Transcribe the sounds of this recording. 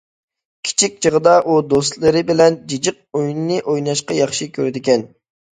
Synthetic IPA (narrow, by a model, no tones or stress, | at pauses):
kʲʰi̥t͡ʃʰik̚ʲt͡ʃʰəʁəd̪ɑʔud̪ost̪lˠɨɾɪbɪlɛnd͡ʒid͡ʒɨq̚ojunːɨʔojnɑʃqɑjɑχʃikʲʰøɾɪd̪ɪkʲɛn